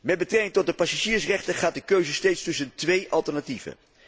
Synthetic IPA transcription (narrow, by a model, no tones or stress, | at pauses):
mɛt̚bətrɛkɪŋtɔt̚dəpasaʒiːɹsrɛχtəχaːt̚dəkøɥzəstejtstɵsəntʋejʔɑlˠtəɹnativ̥ə̰